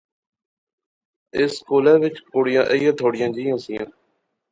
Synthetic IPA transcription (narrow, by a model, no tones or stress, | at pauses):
ɪskoːlɛːʋɪt͡ʃkoːɽɪjãːʔəijãːt̪ʰoːɽɪjãːd͡ʒiːjãːsĩːãː